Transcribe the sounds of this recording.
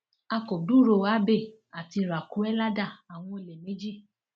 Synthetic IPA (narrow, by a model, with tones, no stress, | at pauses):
a˧ko˨du˦˨ɾo˧a˦be˦˨ | a˨ti˧ɾa˨ku˨˦ɛ˦la˦da˦˨a˨w̃ɔ̃˧e˧le˨me˨˦d͡ʒi˦